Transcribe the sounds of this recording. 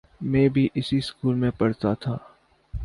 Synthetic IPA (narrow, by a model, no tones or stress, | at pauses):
mẽːbʱiʔɪsiskuːlmẽpɐɽt̪at̪ʰaː